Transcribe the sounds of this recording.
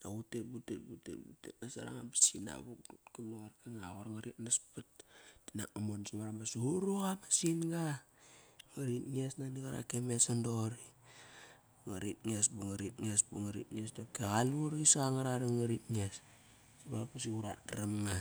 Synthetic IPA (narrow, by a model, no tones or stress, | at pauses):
nautet̚butet̚butḛbṵtḛtnasaɾa̰ŋabḁsina̰βuk̚dutkamoɣaɾkaŋaɣoɾaŋaɾitnaspat̚tina̰k̚amonsiβaɾamasuɾuɣamasinɡa | ŋaɾitŋesnaniɣaɾa̰kemesandoɾi | ŋaɾit̚ŋesbuŋaɾitŋesbuŋaɾḭt̚ŋesdokeɣaluɾisaŋaɾaɾiŋaɾitŋes | siβaɾapasiuɾa̰dɾamŋa